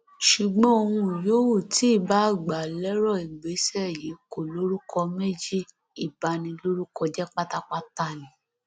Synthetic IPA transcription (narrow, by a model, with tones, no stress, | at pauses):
ʃu˨ɡ͡bɔ̃˦o˧hũ˧˨joː˨˦wo˦˨ti˨˦i˦˨ba˨˦˨ɡ͡ba˨lɛ˦ɾɔ˦˨i˨ɡ͡be˨˦sɛ˦˨ji˨˦ko˨lo˦ɾu˦kɔ˧me˦d͡ʒi˦˨ | i˨ba˨˦nĩ˧lo˦ɾu˦kɔ˧d͡ʒɛ˦k͡pa˦ta˦k͡pa˦ta˦˨lĩ˨˦